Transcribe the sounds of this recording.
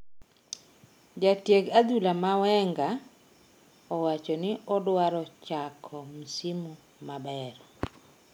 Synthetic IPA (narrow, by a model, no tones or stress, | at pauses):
d͡ʒatjeɡad̪ulamawɛŋɡa | ɔwat͡ʃɔnɪɔdwaɾɔt͡ʃakʰɔmisimu | mabɛɾɔ